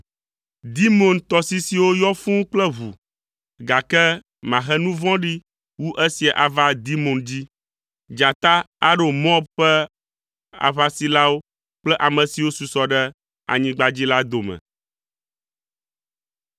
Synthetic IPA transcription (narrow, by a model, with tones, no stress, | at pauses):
d̪i˦mõ˨nt̪ɔ˨si˦si˨wo˦jɔ˦fũ˦k͡plɛ˦βṵ˨ | ɡa˨kɛ˦ | mã˨ɦɛ˦nũ˦vɔ̃˦ɖi˦ | wu˦ʔɛ˦si˨a˨ʔa˨va˦d̪i˦mõ˨nd͡ʑi˦ | d͡ʒa˨t̪a˦ | a˦ɖo˨mɔ̃˦bɸɛ˦ | a̰˨βa˦si˨la˦wo˦ | k͡plɛ˦ʔa˨mɛ̃˨si˨wo˦su˨sɔ˦ɖɛ˦ | a̰˨ɲĩ˦ɡ͡ba˦d͡ʑi˦la˦d̪o˨mɛ̰̃˨